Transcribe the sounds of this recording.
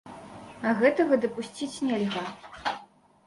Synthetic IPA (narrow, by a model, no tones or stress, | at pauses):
ɐɣɛt̪ɐɣɐd̪ɐpusʲt͡sʲit͡sʲnʲɛlʲɣa